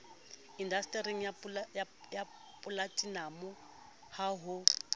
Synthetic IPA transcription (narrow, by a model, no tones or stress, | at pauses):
indastʼɛɾiŋ̩japlja | ja | pʼulatʼinamɔ | haɦʊ